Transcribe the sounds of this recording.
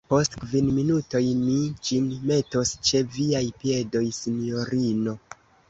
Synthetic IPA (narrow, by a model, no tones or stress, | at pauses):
po̞stkvinminuto̞jmid͡ʒinme̞to̞st͡ʃe̞viajpie̞do̞jsinio̞ɾino̞